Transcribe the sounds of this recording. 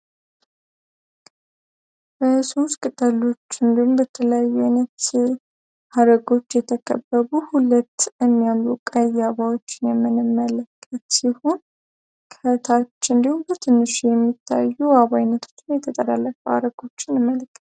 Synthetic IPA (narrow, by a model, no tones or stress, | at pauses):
bəsoskʼɨt̪ʼːəlo̞t͡ʃːɨnd̪ihumbət̪ʰələjajːuanət̪ | haɾəɡo̞t͡ʃːjɛt̪ʰəkʰə̰bːəβuhulət̪ːjɛmːijamlukʼəjaβawot͡ʃːɪnjɛmːɨnɨmːələkʼːət̪siho̞n | kʰət̪ʰat͡ʃːɨnd̪ihumbət̪ʰɨnːɨʃijɛmːit̪ʰːa̰jːuaβajnːət̪ʰo̞̥t͡ʃːɪnjɛt̪ʰət̪ʼəlalːəfʼəa̰ɾəɡo̞t͡ʃːɪnɨmːəlkʼːə